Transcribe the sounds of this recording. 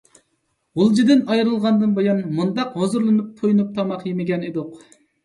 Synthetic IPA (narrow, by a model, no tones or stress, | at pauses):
ʁʊlˠd͡ʒid̪ɨnɑjɾɨlˠʁɑnd̪ɨnbojɑnmund̪ɑqhozuɾlˠɨnɨp̚ʰːojnup̚t̪ʰɑmɑqjemɪɡʲɛnid̪uq